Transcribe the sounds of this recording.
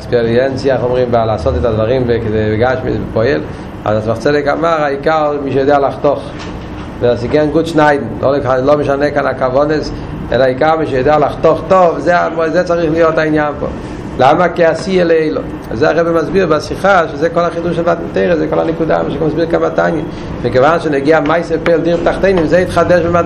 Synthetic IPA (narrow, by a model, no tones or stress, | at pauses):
kspɛɾiɛnt͡siaχɔmʁimbalasɔtɪtadvaʁimvekɪzevɪɡaʃmḭsbɪpɔɛl | a̰zat͡svaχt͡sɛdɪka̰maʁaikaʁmiːʃɛjɔd̪eːalaχtɔχ | vɛasɪkɛnɡutʃnaɪdn̩lʔo̰laloməʃanɛkanakavɔnes | ɛ̰laaikaʁmiːʃɛjɔdealaχtɔχtɔvzeamɔzet͡saʁiχlɪjɔtaɪnjanpɔ̰ | lamakɪasieleeɪlo̰ | a̰zea̰ʁɛbɪmazbiːʁbasiχaʃzeːkɔlaχiduːʃlvatn̩teɪʁəzeːkɔla̰nɪkuda̰mʃemazbiːʁkamatanjə | mɪɡəvanʃɪneɡeamaɪsəpeːlˠdiʁbtaχteɪnɪmzeɪtχadɛʃbɪma